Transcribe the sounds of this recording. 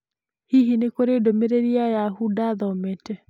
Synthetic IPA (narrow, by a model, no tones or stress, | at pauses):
hiɦinekoɾedomeɾeɾiajahudaðɔmetɛ